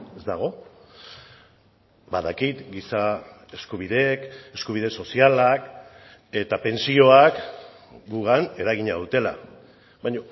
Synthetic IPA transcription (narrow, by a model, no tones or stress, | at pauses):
e̞zd̪aɣ̞o̞ | baðakit̪ɡisae̞skuβ̞iðeke̞skuβ̞iðe̞so̞sialak | e̞t̪ape̞nsio̞ak | ɡuɣane̞ɾaɣ̞iɲaðut̪e̞la̰ | βaɲo